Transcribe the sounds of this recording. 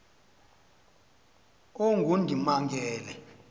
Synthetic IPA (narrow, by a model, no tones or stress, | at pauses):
oŋɡʱundʱimaŋɡʱɛːlɛ